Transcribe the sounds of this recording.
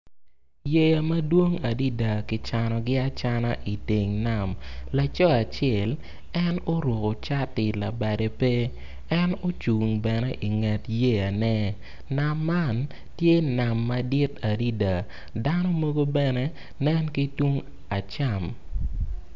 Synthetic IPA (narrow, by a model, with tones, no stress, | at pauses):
je˦ja˨ma˦dwo˦ŋa˨di˦da˨kɪ˨t͡ʃa˨nɔ˨ɡɪ˦a˦t͡ʃa˦na˦ʔi˨te˨ŋna˨mla˨t͡ʃɔ˦a˨t͡ʃɛ˦˨l | ɛ˦no˦ɾo˨ko˨t͡ʃa˦tɪ˨la˨ba˨de˨pe˦ | ɛ˦no˦t͡ʃu˨ŋbɛ˨nɛ˦ʔi˨ŋɛ˨tje˦ja˨nɛ˦ | na˨mːa˦˨n | tje˦na˨mːa˨dɪ˦ta˨di˦da˨ | da˦nɔ˦mo˦ɡo˦bɛ˦nɛ˦ | nɛ˦nki˦tu˦ŋ | a˨t͡ʃa˨m